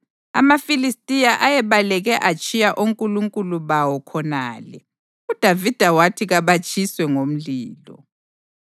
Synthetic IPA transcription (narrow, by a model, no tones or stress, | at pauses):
a̰mafilistʼijaʔajɛβalɛɣɛʔat͡ʃʼijaʔuŋkʼuluŋkʼuluβawɔkʰɔna̰ːlɛ | ud̥ʱavid̥ʱawatʰiɣaβat͡ʃʼʰiswɛŋom̩liːlɔ̰